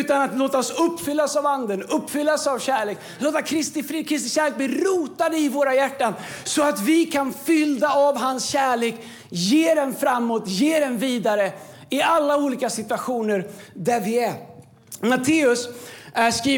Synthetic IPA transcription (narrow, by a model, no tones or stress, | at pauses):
ʉ̟ːt̪anat̪loːt̪aɔsɵpːfʏlːaɔsavand̪ənɵpːfʏlːasavɕæːɭeːk | loːt̪akʰɾɪst̪ɪfɾɪkʰɾɪs̬t̪ɪɕæːɾɭeːk̚bliːɾuːt̪ad̪əɪvoːɾajæʈːansɔat̪vɪkʰanfʏld̪aavɦansɕæːɭeːk | jeːd̪ɛnfɾamːoːt̪jeːɾɛnviːd̪aɾə | ɪalːauːliːkasɪt̪ɵaɧuːnəɾd̪æɾvɪæ | mat̪ʰeːɵsskiː